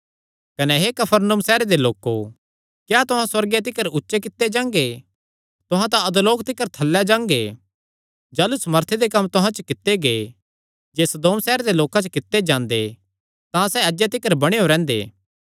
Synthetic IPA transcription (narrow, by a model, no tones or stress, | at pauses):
kɐnɛɦekɐpʰəɾnumsɛːɾed̪eloːkːo̰ | kjaːt̪ʊɦãswɐɾɡet̪̬ɪkəɾʊtːʃekɪt̪ːed͡ʒãːŋɡe | t̪ʊɦãt̪̬ãɐd̪loːkt̪ɪkːəɾt̪ʰɐlːɛd͡ʒãːŋɡḛ | d͡ʒaːlusɐməɾt̪ʰed̪ekɐmːt̪ʊɦãt͡ʃəkɪt̪ːeɡe | d͡ʒeːsɐd̪oːmsɛːɾed̪eloːkãt͡ʃəkɪt̪ːed͡ʒãːnd̪e | t̪ãsɛɐd͡ʒjet̪̬ɪkːəɾbɐɽ̃eɦoɾɛ̃ːnd̪ḛː